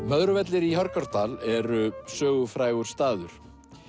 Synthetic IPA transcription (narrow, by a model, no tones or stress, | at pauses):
mœðɾʏvɛt̪lɪɾiɦœɾkaɾ̥t̪alɛɾʏsœːɣʏfɾaːjɣʏɾ̥st̪aːðʏɾ̥